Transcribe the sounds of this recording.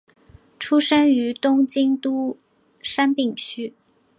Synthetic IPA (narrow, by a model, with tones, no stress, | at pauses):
ʈ͡ʂʰu˥ʂə˥ŋy˧˥t̪ʊ˥ŋt͡ɕi˥ŋt̪u˥ | ʂa˥npi˥˩ŋt͡ɕʰy˥